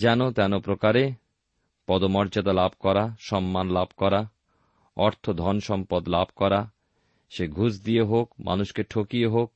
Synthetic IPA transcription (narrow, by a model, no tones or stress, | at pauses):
d͡ʑɛnot̪ɛnopɾokaɾe | pɔd̪omɔɾd͡ʑad̪alabʱkɔɾaʃɔmːanlabʱkɔɾa | ɔɾt̪ʰod̪ʱɔnʃɔmpod̪labʱkɔɾa | ʃeɡʱud͡ʑd̪ijeɦokmʔa̰nuʃkeʈʰokijeɦok̚